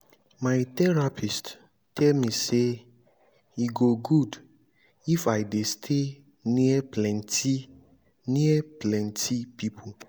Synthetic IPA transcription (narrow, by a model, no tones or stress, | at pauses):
maɪt̪ɛɹapʰist | tʰɛlmĩse | hiɡoɡud | ifaɪdestʰe | niɛplɛ̃nti | niɛplɛ̃ntʰipʰipʰo